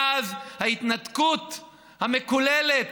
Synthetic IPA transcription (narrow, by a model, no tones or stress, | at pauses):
avhait̪nat̪kut̪ | hame̞kulelet